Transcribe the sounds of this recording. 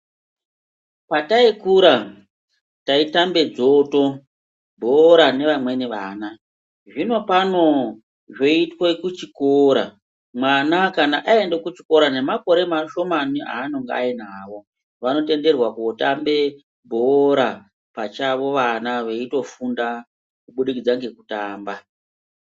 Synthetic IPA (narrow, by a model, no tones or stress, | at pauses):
pataikuɾa | taitambe̞d͡zo̞to̞ | bʱoɾane̞ʋamwe̞niʋaːna | ʐino̞pano̞ | ʐoitwekut͡ʃikoːɾa̰ | mwanakanaʔaende̞kut͡ʃiko̞ɾane̞mako̞ɾe̞maʃo̞mania̰ːno̞ŋɡea̰inaːʋo̞ | ʋano̞te̞nde̞rwakuotambe̞ | bʱoɾa | pat͡ʃaʋo̞ʋanaʋeito̞funda | kuɓuɗikid͡zaŋɡe̞kutaːmba